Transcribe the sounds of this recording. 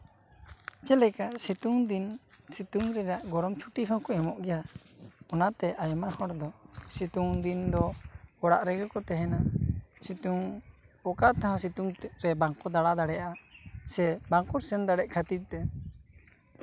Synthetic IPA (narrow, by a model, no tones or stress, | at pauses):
t͡ʃɛlɛkasit̪uŋd̪in | sit̪uŋɾɛɾaʔɡɔɾɔmt͡ʃʰuʈikʰɔkɔɛmɔʔɡɛja | ɔnat̪ɛʔajmahɔɽd̪ɔsit̪uŋd̪ind̪ɔɔɽa̰ʔɾɛɡɔkɔt̪ɛɦɛnasit̪uŋɔkaʔt̪aɦãsit̪uŋɾɛbaŋkɔd̪aɽad̪aɽɛjaʔasɛbaŋkɔɾsɛnd̪aɽɛʔkʰat̪it̪̚t̪ɛ